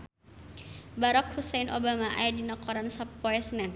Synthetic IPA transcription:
baɾɔk̚husɛjnʔobamaʔa̰jadinɔkɔɾansɔpːɔɛsnɛn

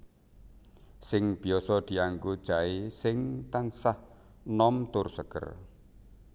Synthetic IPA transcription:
sɪŋb̥i̤ɔsɔd̪̥i̤aŋkud̥ʒ̥aisɪŋt̪ansah | nɔmt̪ʊrsəɡ̥ə̰r

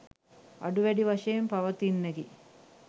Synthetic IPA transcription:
ɐ̰ɖuʋeɖiʋɐʂɐjɐmpɐʋɐt̪inːeɡi

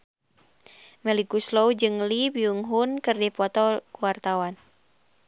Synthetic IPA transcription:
mɛlikusloud͡ʒɨŋlibiuŋɦunkɨrdipɔt̪ɔkuwart̪awan

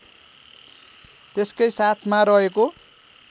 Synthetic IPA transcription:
t̪eskʌjsat̪ʰmaɾʌɦeko

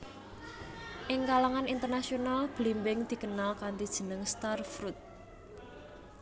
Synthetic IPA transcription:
ʔɪŋkalaŋanint̪ərnasionalb̥limbɪŋd̪̥i̤kənalkant̪id̥ʒ̥ə̤nəŋst̪arfɾut̪̚

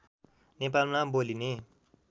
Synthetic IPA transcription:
nep̬almaboline

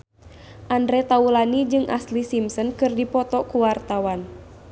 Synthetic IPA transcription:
ʔandɾɛt̪aulanid͡ʒɨŋʔa̰slisimsɔnkɨrdipɔt̪ɔkuwart̪awan

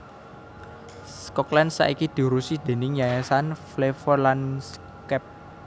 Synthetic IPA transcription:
skɔklansa̰ʔikid̪̥i̤ɾusid̪̥e̤nɪŋjajasanflefɔrlans | kɛp̚

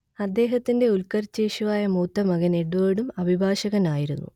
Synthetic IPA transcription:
ɐd̪ːe̞ːɦɐt̪ːinde̞ulkɐrt͡ɕːeːɕuʋaːjɐmuːt̪ːɐmɐɣɐneɽuoːjɽumɐbʱibʱaːɕɐɣɐnaːjiɾunːṵ

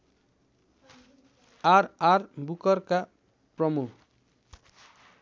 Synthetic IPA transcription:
aɾarbukʌrka | prʌmuk

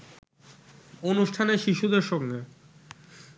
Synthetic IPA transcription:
onuʃʈʰaneʃiʃud̪eɾʃɔkɡe

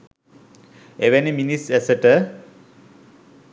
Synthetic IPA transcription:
eʋeniminisɛsəʈə

